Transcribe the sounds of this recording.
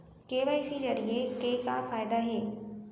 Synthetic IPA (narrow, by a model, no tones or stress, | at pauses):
keːʋaːɪsid͡ʑɐɾiekeːka̰faːɪd̪aɦeː